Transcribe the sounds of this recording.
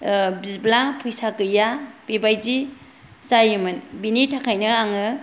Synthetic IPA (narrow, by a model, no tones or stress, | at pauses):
bizblapʰujsakɯjab̥ibajd͡ʒi | sajimɯnbinitʰakʰajnɯaŋɯ